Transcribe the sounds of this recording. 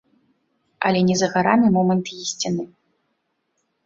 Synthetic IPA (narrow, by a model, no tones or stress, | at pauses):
ɐ̰lʲɛnʲɛzɐɣaɾamʲimɔmɐnt̪jisʲt͡sʲinɨ